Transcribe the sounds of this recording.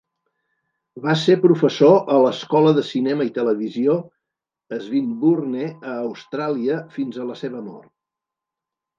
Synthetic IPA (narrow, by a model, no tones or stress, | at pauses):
basepɾufəsoʔələskɔləðəsinɛməit̪ələβizio | əzβimburneəːwst̪ɾaliəfinzələseβəmɔ̰rt̪̚